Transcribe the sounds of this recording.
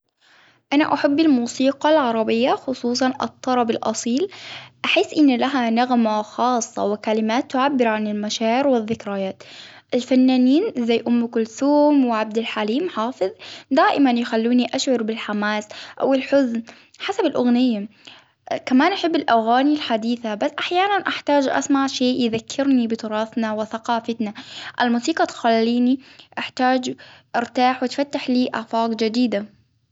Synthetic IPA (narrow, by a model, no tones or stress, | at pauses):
ʔana̰ʔaħabːɪlmuːsiːqɑlʕɑɾˤɑbɪjːaxʊsˤuːs̬ˤɑnʔɨ̰t̪ˤːɑɾˤɑbɪlʔɑ̰sˤiːlʔaħiːsʔɪnːlaɦanaɣmaxɑːsˤːɑ̰wɪkalɪmaːt̪ːʊʕabːɪɾʕanɪlmaʃaːʕɪɾwɪðːɪkɾajaːt̪ʔɪlfanːaːniːnzajːʔʊmːkʊlθuːmwɪʕab̚d̪ɪlħaliːmħɑːfɨðˤd̪aːʔɪmanjɪxalːuːniʔaʃʕʊɾbɪlħamaːsʔa̰wɪlħʊzn | ħasabɪlʔʊɣnɪjːa | kamaːnʔaħɪbːɪlʔaɣaːnilħad̪iːθabasːʔaħjaːnanʔaħt̪aːd͡ʒʔa̰smaʕʃeːʔjɪðakʰːɪɾnibɪt̪ʊɾˤɑːfnawɪθaqɑːfat̪naʔa̰lmuːsiːqɑt̪xalːiːniʔaħt̪aːd͡ʒʔɪɾt̪aːħwɪt̪fat̪ːaħliːʔa̰ʕfaːqd͡ʒad̪iːd̪a